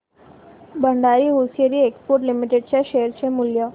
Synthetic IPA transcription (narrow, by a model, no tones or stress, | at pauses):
bəɳɖaɾiːɦosijeɾiːekspoɾʈlimiʈeɖ̚t͡ɕjaɕeəɾt͡ɕʰemuljə